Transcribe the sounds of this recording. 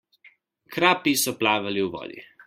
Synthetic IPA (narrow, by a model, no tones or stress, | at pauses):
kɾaːpisɔplaːʋaliwʋɔ̰ːd̪ḭ